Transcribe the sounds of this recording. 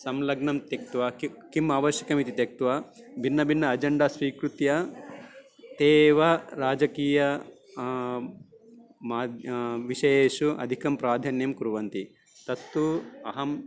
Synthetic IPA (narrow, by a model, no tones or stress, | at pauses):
sɐmlɐɡɳɐmt̪ɐk̚t̪uʋɐkikimaːʋɐɾʃjɐ̥kɐmit̪it̪ek̚t̪uʋɐ | bʱinːɐbʱinːɐːd͡ʒɐɳɖasʋiːkɾut̪jɐ | t̪eːʋɐɾaːd͡ʒɐkiːjɐ | maːd̪ʋiʃɐjeːʃuɐ̰d̪ʱikɐmpɾaːd̪ʱɐnjɐmkuɾuʋɐnt̪i | t̪ɐt̪ːuɐɦɐm